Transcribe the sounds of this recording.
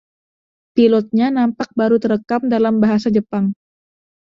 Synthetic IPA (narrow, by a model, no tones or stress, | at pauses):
pilɔt̪̚ɲanampak̚baɾut̪əɾəkamdalambaɦasad͡ʒəpaŋ